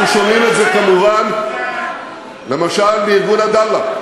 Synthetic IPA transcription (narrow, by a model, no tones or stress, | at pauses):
mʃo̞mimet̪ze̞kamuvan | le̞maʃalbeiɾɡunad̪alːa